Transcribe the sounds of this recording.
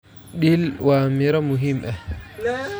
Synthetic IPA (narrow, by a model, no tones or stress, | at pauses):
ɗilwamiɾamuɦimɓɛ